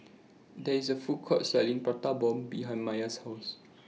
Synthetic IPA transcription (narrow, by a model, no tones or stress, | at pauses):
dɛisəfukʰɔtsɛlĩŋpat̪abɔ̃mbiɦãjnmajashaʊs